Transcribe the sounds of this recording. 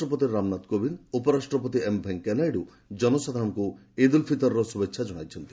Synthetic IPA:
ʈɾɔp̬ɔt̪̬iɾɾamnat̪kobʱinupɔɾasʈɾɔpɔt̪iembʱeŋkːɛnajɖu | d͡ʒɔnɔsad̪ʱaɾɔ̃ŋku | ed̪ulpʰit̪ɔɾɾɔsubekʃʰad͡ʒɔɽ̃a̰jt͡ʃʰɔnt̪i

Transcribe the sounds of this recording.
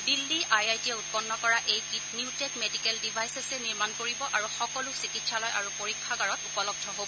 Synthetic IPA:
bilːiʔajajtiɛut̚pɔnːɔkɔɹaʔejkitnjutɛkmedikɛldibʱajsesɛniɹmankoɹibɔʔaɹuxɔkɔlusikitsalɔjʔa̰ɹupoɹikʰːaɡaɹɔtupɔlɔɡ̚dʱɔɦobɔ

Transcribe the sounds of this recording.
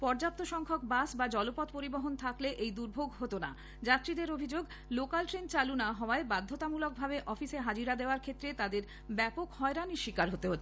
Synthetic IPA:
pɔɾd͡ʑap̚t̪oʃɔŋkʰok̚basbad͡ʑɔlopɔt̪̚poɾiboɦont̪ʰakleʔejd̪uɾbʱoɡɦot̪ona̰ | d͡ʑat̪ːɾid̪eɾobʱid͡ʑoɡ | lokalʈɾent͡ɕalunaɦɔoaebad̪ʱːot̪amulok̚bʱabeʔɔfiseɦad͡ʑiɾad̪eoaɾkʰet̪ːɾet̪ad̪eɾ | bɛpokhɔeɾaniʃikaɾɦot̪eɦotːʰ

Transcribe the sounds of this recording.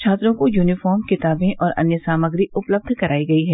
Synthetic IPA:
t͡ʃʰaːt̪ɾõkojuːnɪfɔːɾmkɪt̪aːbẽʔʔɔːɾɐ̰njəsaːməɡɾiʊpləb̚d̪ʱkɐɾʔaːiɡɐiɦɛː

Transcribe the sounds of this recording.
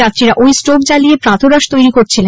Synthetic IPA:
at̪ːɾiɾaʔojsʈok̚d͡ʑalijepɾãt̪ʰoɾaʃt̪ojɾikoɾt͡ɕʰile

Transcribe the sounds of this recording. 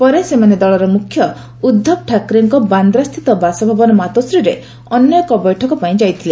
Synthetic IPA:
pɔɾesemaned̪ɔɭɔɾɔmukʰːjɔ | ud̪ʱːɔp̚ʈʰakɾeŋkɔband̪ɾast̪ʰit̪ɔbasɔbʱabɔnɔmat̪ɔsɾiɾe | ɔnjɔjkɔbɔjʈʰɔkɔpaĩd͡ʒajt̪ʰile

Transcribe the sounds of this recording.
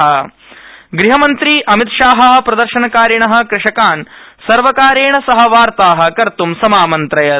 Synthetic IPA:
ɐ | ɡɾiɦɐmɐnt̪ɾiːʔɐmit̪ʃaːɦɐɦɐpɾɐd̪ɐɾʃɐnɐkaːɾjɐɳɐɦɐ̆kɾɪʂɐkaːnsɐɾʋɐkaːɾeːɳɐsɐɦɐʋaːɾt̪aːɦɐ̆kɐɾt̪umsɐmaːmɐnt̪ɾɐjɐ

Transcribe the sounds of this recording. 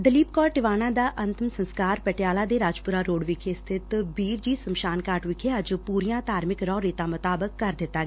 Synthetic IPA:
d̪əliːpkɔːlʈɪʋaːnãːd̪aːʔənt̪ɪmsə̃nskaːɾpɛʈjaːlaːd̪eːɾaːd͡ʒpʊɾaːɾoːɽʋɪkʰest̪ʰɪt̪biːɾd͡ʒiːsəmʃaːnkaːʈʋɪkʰeəd͡ʒpuːɾɪjãːt̪aːɾmɪkɾɔːɾeːt̪ãːmʊt̪aːbəkːəɾd̪ɪt̪ːaː

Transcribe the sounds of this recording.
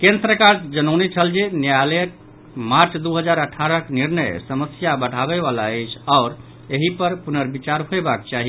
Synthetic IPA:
kẽnd̪ɾəkaɾsd͡ʒənəʊnet͡ʃʰəld͡ʒenjalek̚ | maɾt͡ʃd̪uɦəd͡ʒaɾəʈʰaɾəkniɾnəjsəməsjabəʈabɛβalaəɪt͡ʃʰaːɾ | eɦipəɾpunəɾbit͡ʃaɾɦoebak̚t͡ʃaɦi

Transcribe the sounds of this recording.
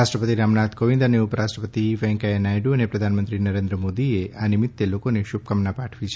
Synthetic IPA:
asʈɾəpət̪iɾamnad̪koʋind̪əneʊpəɾaʃʈɾəpət̪iʋɛ̃ŋkaenajɖuənepɾəd̪ʱanmənt̪ɾinəɾend̪ɾəmod̪ieanɪmɪt̪ːelokoneʃub̚kəmnapaʈʰʋit͡ʃʰe

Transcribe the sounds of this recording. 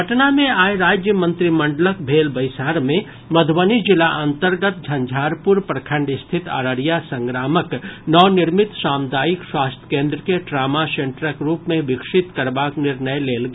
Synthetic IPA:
ɦɐʈnamẽaːeɾaːd͡ʒjəmə̃nt̪ɾimɐ̃ɳɖələk̚ʰbʱeːlbəjsaːɾmẽ | məd̪ʱwənid͡ʒɪlaʔɐ̃nt̪əɾɡət̪̚d͡ʒʱɐ̃nd͡ʒʱaːɾpuɾpɾɐkʰə̃ɳɖɪst̪ʰɪt̪a̰ɾəɾijasə̃ŋɡɾaːməknɔːnɪɾmɪt̪saːmd̪aːjikswaːst̪ʰə̥kẽːnd̪ɾəkeʈɾaːmasẽɳʈɾəkɾuːpmẽbɪkʂɪt̪kɐɾbaːknɪɾnəjleːlɡeː

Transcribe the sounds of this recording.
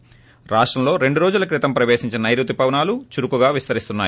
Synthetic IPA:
ɾaːʂʈɾɐmlo̞ːɾe̞ɳɖuɾoːd͡ʒulɐkɾit̪ɐmpɾɐʋeːʃiɲt͡ʃinɐnɐjɾut̪upɐʋnaːlut͡ʃuɾukuɡaːʋist̪ɐɾist̪unːaːj

